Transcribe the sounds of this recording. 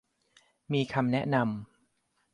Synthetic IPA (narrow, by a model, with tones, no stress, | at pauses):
miː˧kʰa˧mnɛ˦˥ʔna˧m